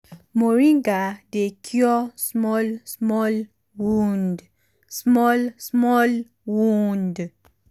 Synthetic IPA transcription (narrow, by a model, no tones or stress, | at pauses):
moɾĩŋɡadekʰjɔsmɔlsmɔl | wund | smɔlsmɔl | wund